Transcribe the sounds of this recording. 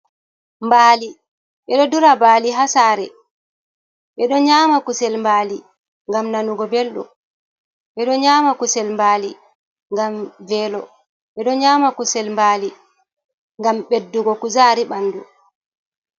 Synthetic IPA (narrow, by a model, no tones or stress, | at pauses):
mbaːli | ɓɛɗɔduɾabaːliɦasaɾɛ | ɓɛɗɔɲaːmakusɛlmbaːli | ŋɡamnanuɡɔbelɗṵ | ɓɛɗɔɲaːmakusɛlmbaːli | ŋɡamvɛːlɔ | ɓɛɗɔɲaːmakusɛlmbaːli | ŋɡamɓedːuɡɔkuzaːɾiɓanːdu